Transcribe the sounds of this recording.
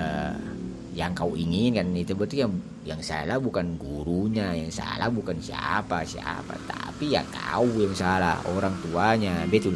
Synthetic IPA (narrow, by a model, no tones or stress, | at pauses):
ə | jaŋkauʔiŋɪnkanit̪ubət̪ujaŋ | jaŋsa̰labukanɡuɾuɲajaŋsa̰lahbukansia̰pasia̰pa̰t̪a̰pija̰ŋka̰ujaŋsala̰hoɾaŋt̪uaɲabɛt̪u